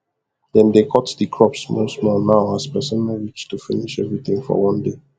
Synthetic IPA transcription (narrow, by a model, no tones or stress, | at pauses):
ðɛ̃nd̪ekʰɔtdəkʰɹɔpsmostmɔnaʊaz̥pɛsə̃nmaɹit͡ʃtːufiniʃɛvɹiθɪ̃ŋfɔ̰wʌ̃nde